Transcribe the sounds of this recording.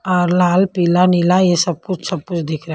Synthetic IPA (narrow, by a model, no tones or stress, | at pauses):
ɔːɾlaːlpiːlanilajesɐb̚kʊt͡ʃʰsɐb̚kʊt͡ʃʰd̪ɪkʰɾɐ